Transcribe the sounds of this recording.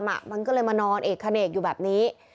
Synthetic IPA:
mʔa̰˨˩ʔma˧nkɔː˥˩lɤː˧jmaː˧nɔː˧nʔeː˨˩kʰːa˧neː˨˩k̚juː˨˩bɛː˨˩p̚niː˦˥

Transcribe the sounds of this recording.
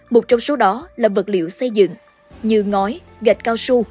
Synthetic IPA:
mo˨˩t͡ɕɔ˧wŋ͡mso˨˦ɗɔ˨˦laː˨˩və˨˩t̚lḭ˧˨əwsə˧jzɨ̰˧˨ŋ | ɲɨ˧ŋɔ˨˦j | ɣa˨˩jt̚kaː˧wsu˧

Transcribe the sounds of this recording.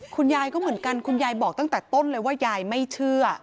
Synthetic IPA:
kʰu˧njaː˧jkɔː˥˩mɯ˩˦ənka˧nkʰu˧njaː˧jbɔː˨˩k̚t̪a˥˩ŋt̪ɛː˨˩t̪o˥˩˨nlɤː˧jwaː˥˩jaː˧jma˥˩jt͡ɕʰɯ˥˩ɐ

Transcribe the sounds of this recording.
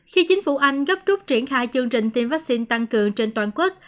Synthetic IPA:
xi˧t͡ɕï˨˦ŋ̟fu˧˩ʔa˧jŋ̟ɣə˦˥p̚t͡ɕu˦˥p̚t͡ɕi˧˩ənxaː˧jt͡ɕɨ˧əŋt͡ɕï˨˩ŋ̟t̪i˧nvaː˦˥k̚si˧nt̪a˧ŋkɨ˨˩əŋt͡ɕe˧nt̪waː˨˩nkwu˦˥t̚

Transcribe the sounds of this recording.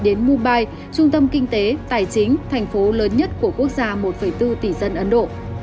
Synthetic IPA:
ɗe˨˦nmu˧nɓaː˧j | t͡ɕʊ˧ŋ͡mt̪ə˧mkï˧ŋ̟t̪e˨˦t̪aː˨˩jt͡ɕï˨˦ŋ̟t̪ʰɛ˨˩jŋ̟fo˨˦ləː˨˦nɲə˦˥t̚ku˧˩əku˦˥ək̚zaː˧mo˨˩t̚fə˧˩jt̪ɨ˧t̪i˧˨˩zə˧nʔə˨˦nɗo̰˧˨

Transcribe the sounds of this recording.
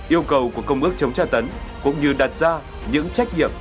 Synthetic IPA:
ʔi˧əwkə˨˩wku˧˩əkə˧wŋ͡mʔɨ˦˥ək̚t͡ɕə˨˦wŋ͡mt͡ɕaː˧˩t̪ə˨˦nkʊ̰˧˥ŋ͡mɲɨ˧ɗa˨˩t̚zaː˧ | ɲɨ̰˧˥ŋt͡ɕa˦˥k̟̚ɲḭ˧˨əm

